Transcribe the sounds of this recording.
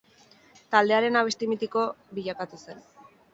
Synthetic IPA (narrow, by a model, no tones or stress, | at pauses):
t̪ald̪e̞aɾe̞naβest̪imit̪iko̞biʎakat̪use̞n